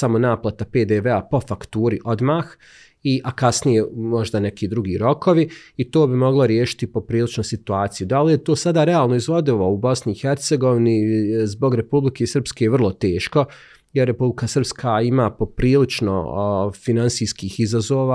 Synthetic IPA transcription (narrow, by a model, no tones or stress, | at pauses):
samo̞naːplˠat̪ape̞ːd̪eʋeapo̞fakt̪uːɾiʔo̞d̪maːx | iʔakasnijemo̞ʒd̪ane̞kiːd̪ɾuɡiːɾo̞kʰo̞ʋiːt̪oːbimo̞ɡlˠaɾjeːʃi̥t̪ipo̞pɾiːlit͡ʃnosit̪uaːt̪sijud̪alijet̪oːsad̪aːɾeaːlˠno̞izʋo̞d̪iloubo̞sniːxeɾt̪se̞ɡo̞ʋinizbo̞ɡɾe̞publikʰesərpskeʋr̩lˠot̪e̞ːʃko̞ | jeɾːe̞publikasr̩pskʰaimaːpo̞pɾiːlit͡ʃno̰finansiːskiːxizazoːʋa